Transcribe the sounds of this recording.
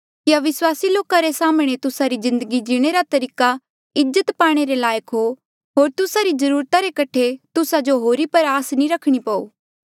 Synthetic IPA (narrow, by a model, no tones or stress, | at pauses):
kjaʋɪswaːsiloːkaɾesaːmɽ̃et̪ʊsaɾizɪ̃nd̪əɡid͡ʒɪɽ̃eɾat̪ɐɾiːka | ɪd͡ʒət̪paːɽ̃eɾelaːjəkɦo | ɦoːɾt̪ʊsaɾizɐɾuːɾt̪aɾekɐʈʰet̪ʊsad͡ʒoɦoːɾipɐɾaːsnĩɾɐkʰɽ̃ipɐoː